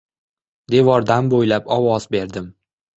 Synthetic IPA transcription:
d̪e̞vɒɾd̪anbojlapɒwɒz̥be̞ɾd̪ɪm

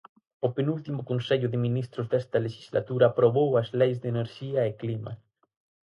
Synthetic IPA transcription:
openult̪imokonseʎoðemĩnist̪ɾozðest̪aleʃi̥zlat̪uɾaːpɾoβowazlejzðeneɾʃiaeklima̰

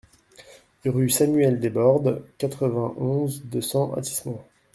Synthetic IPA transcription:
ʁysamyɛld̪ebɔʁd̪kat̪χəvɛ̃ʔɔ̃zd̪əsɑ̃ʔa̰t̪i̥smɑ̃

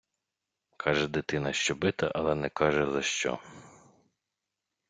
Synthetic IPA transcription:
kʰɑʒɛd̪ɪt̪ɪnɐʃt͡ʃɔbɪt̪ɐʔɐlˠɛnɛkɑʒɛzɐʃt͡ʃɔ̰

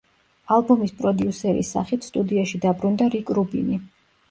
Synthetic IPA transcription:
alˠbumispʼɾɔd̪iusɛɾḭsa̰χit̪ʰst̪ʼud̪iaʃid̪abɾund̪aɾikʼɾubḭni

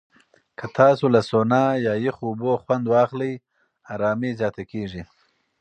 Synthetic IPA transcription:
kʰət̪ʰɑsolasonɑjɑjɪxːboxwand̪wɑxləj | ɑːɾɑːmizjɑːt̪akeʐi

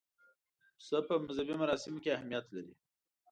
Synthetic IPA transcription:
səpəmʊzabimaɾɑsɪmokeahmijat̪laɾi

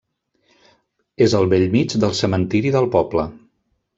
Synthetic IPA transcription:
ezəlˠβeʎmit͡ʃd̪əlˠsəmənt̪iɾiðəlˠpɔplə

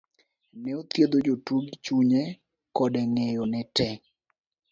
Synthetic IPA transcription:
nɛot̪jed̪od͡ʒotuɡit͡ʃuɲɛ | kɔdɛŋejɔnɛtɛ

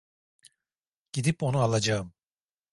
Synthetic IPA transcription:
ɟ̥id̪ipo̞nualˠad͡ʒaɯm

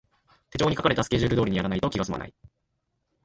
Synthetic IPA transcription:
t̪e̞t͡ɕo̞ːɲikakaɾe̞t̪asɨ̥keʑɨːɾɯd̪o̞ːɾʲiɲijaɾanait̪o̞kʲiɡasɨma̰na̰i

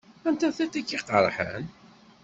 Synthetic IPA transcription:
ænt̪æθæt̪ækːiqəɾˤħə̰n

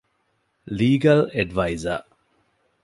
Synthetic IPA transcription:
liːɡɐleɖʋaizɐ̰

